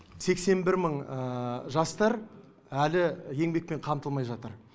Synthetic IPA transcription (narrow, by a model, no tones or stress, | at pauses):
se̞kse̞nbɪɾməɴ | ʒɑst̪ɑɾ | ælɪje̞ŋbe̞k̚pe̞ɴqʰɑmt̪əlˠmɑjʒɑt̪əɾ